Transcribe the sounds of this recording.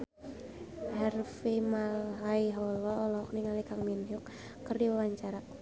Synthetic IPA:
hɛrfimalɦaiɦɔlɔːlɔɦɔk̚niŋalikaŋminɦʊk̚ | kːərdiwawaɲt͡ʃaɾa

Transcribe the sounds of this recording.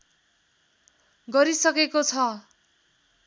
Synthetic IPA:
ɡʌɾisʌkekot͡sʰʌ

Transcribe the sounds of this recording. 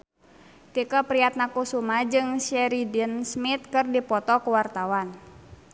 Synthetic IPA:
t̪ikapɾiat̪̚nakusumad͡ʒɨŋsɛɾidinsmit̪̚kɨrdipɔt̪ɔkuwart̪awan

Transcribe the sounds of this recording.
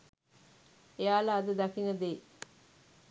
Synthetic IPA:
ejaːlaːd̪əd̪ɐkiŋəd̪eː

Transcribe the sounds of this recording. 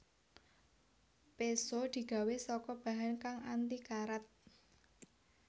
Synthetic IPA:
pesod̪̥i̤ɡ̥a̤wesɔkɔb̥a̤ɦankaŋant̪ikaɾat̪̚

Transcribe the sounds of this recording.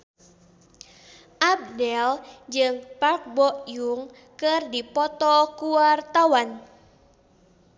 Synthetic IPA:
ʔab̚dɛld͡ʒɨŋpak̚bɔʔjuŋ | kɨrdipɔt̪ɔkuwart̪awan

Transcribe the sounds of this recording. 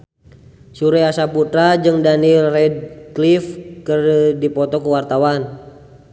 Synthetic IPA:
suɾɛasaput̪ɾad͡ʒɨŋdanilrɛd̚klifkərdipɔt̪ɔkuwart̪awan

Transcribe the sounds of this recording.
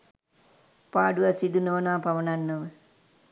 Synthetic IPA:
paːɖuʋasid̪unoːnaːpaʋənanːoʋə

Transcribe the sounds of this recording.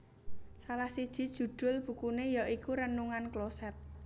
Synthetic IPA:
salahsid̥ʒ̥i̤d̥ʒ̥ṳd̪̥ʊ̤lb̥ṳkunejɔʔikuɾənuŋanklosɛt̪̚

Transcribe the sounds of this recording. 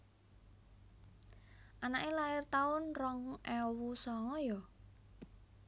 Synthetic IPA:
ʔanaʔelaɪrt̪aʊnrɔŋʔɛwusɔŋɔjɔ

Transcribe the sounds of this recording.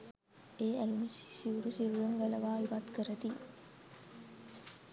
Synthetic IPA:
eːælumussiuɾusiɾujuŋɡæləʋaːiʋat̪kəɾət̪i

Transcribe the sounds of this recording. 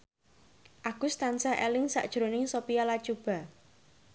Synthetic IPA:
ʔaɡ̥ʊst̪ansaʔelɪŋsa̰ʔd̥ʒ̥ɾonɪŋsopijalḁt͡ʃub̥a̤

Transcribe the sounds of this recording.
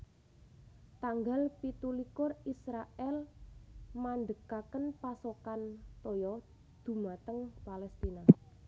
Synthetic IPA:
t̪aŋɡalpit̪ulikʊrisɾaʔɛl | mand̪əkakənpasokant̪ojɔ | d̪̥ṳmat̪əŋpalɛst̪ina

